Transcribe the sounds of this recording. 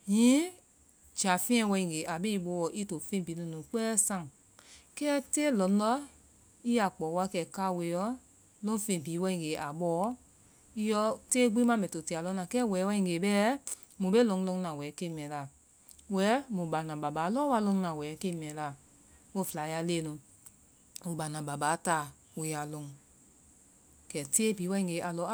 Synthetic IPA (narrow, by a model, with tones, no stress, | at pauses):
jĩ˨˦ | d͡ʒa˨fĩ˦ɛ̃˧˦wɛ˧ĩ˧˨ɡe˨ʔa˨be˦i˧˦ɓo˧˦wɔ˧˦ʔi˦to˨fẽ˦˨biː˨˦nũ˧˨nũ˨˦k͡pɛː˦sã˧˨ŋ˨ | kɛː˦teː˦lɔ̃˨˦lɔ˦ | i˦a˨k͡pɔː˨˦wa˧kɛ˨ka˦˨we˨˦jɔ˦ | lõ˦fẽ˧˨biː˨˦wɛ˧˦ĩ˧˨ɡe˨˦ʔa˨ɓɔː˨˦ | i˦jɔ˧˦teː˦ɡ͡bĩ˦mã˦mɛ̃˨to˨ti˨˧˨a˨lɔ̃˧˦nã˨kɛː˦˨wɛː˨˦wɛ̃˧˦ĩ˧˨ɡe˨bɛ˦ | mũ˨be˦lõ˧˦ŋ˦lõ˧˦ŋ˦nã˨wɛː˨˦ke˦˧m˨ɛ̃˨˦la˨ | wɛ˨˦mũ˨ba˨nã˨ba˨ba˨˦lɔ˦wa˧˦lõ˧˦nã˨wɛ˨˦ke˦˧mɛ̃˨˦la˨ | wo˦˨fla˨˦ja˧˦leː˦˨nũ˨ | o˨ba˨nã˨ba˨baː˨˦taː˨ | we˨ja˨lõ˨˦ŋ | kɛ˨teː˦biː˨˦wɛ˧˦ĩ˧˨ŋɡe˨˦ʔa˨lɔ˧˦